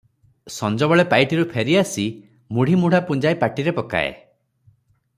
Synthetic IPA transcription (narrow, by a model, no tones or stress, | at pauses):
sɔnd͡ʒɔβɔɭepajʈiɾupʰeɾiasi | muɽ̤ʱimuɽ̤apund͡ʒajpaʈiɾepɔka̰ḛ